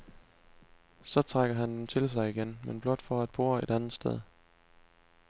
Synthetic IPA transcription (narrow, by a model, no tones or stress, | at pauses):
sɒ̽t͡sʰʁaɡ̥ɐɦænd̥emt͡sʰe̝ls̬ɑ̈ɪiɡ̥enmenb̥lɒ̽d̥fɒ̽æd̥̚b̥o̝ːɐed̥ænð̩ˠsd̥eð̞̰ˠ